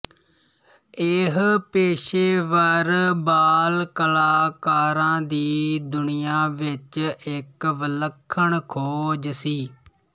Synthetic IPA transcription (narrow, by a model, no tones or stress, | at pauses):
ɪɦpeːʃeːʋəɾbaːlkəlaːkaːɾãːd̪iːd̪ʊnɪjaːʋɪt͡ʃɪkʋələkʰːəɳkʰoːd͡ʒsiː